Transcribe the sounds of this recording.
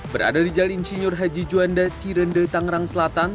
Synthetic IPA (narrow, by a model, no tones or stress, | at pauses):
bəɾa̰dadid͡ʒalinsiɲʊrɦad͡ʒid͡ʒuandat͡ʃiɾəndət̪aŋɾaŋsəlat̪an